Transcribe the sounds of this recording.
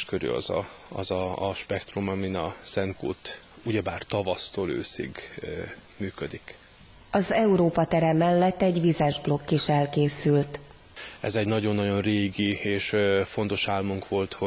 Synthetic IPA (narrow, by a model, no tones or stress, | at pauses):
ʃkøɾy̰ɒ̰zɒ̰ | ɒ̰zɒʃpɛkt̪rumɒminɒsɛŋkṵːt̪ | uɟɛbaːrt̪ɒvɒst̪oːlø̰ːsḭɡ | myːkød̪ik | ɒzɛuɾoːpɒt̪ɛɾɛmɛlːɛt̪ːɛɟʋizaʒblo̞kːiʃɛlkeːsylt̪ | ɛ̰zɛɟnɒɟo̞nːɒɟo̞nreːɡieːʃfo̞nt̪o̞ʃaːlmuŋkʋo̞lt̪ho